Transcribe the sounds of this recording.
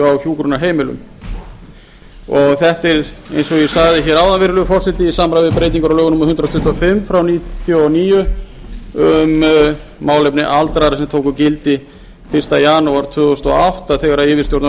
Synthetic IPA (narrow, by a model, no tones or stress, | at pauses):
awçjuːkɾunaɦeːjmɪlʏ̰m | ɔɣθɛht̪ɪɾḛjnsɔjɛsaɣðɪçɛːɾaːwðanvɪɾʏlʏʏfɔr̥sɪt̪ɪisamɾajvɪðpɾeːjt̪iŋkʏɾawlœːɣʏnumahʏnt̪ɾat̪ʰʏht̪ɔfɪmːfɾawniːt̪ʰjoniːjʏ | ʏm | maːwlejpnɪʔalt̪ɾaɾasɛmt̪ʰoːwkʏcɪlt̪ɪ | fɪr̥t̪ajaːnuaɾt̪ʰvʏːðɔst̪ɔ̰a̰wht̪aθɛɣaɾaɪːvɪst̪jowɾt̪n